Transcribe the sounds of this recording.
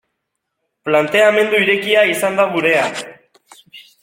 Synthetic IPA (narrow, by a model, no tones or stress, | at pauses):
plant̪e̞ame̞nd̪uiɾe̞kiaisand̪aɣuɾe̞a